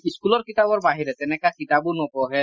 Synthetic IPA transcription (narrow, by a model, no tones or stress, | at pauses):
iskulɔɾkit̪abɔɾbaɦiɾɛt̪ɛnɛkakit̪abunɔkɔɦɛ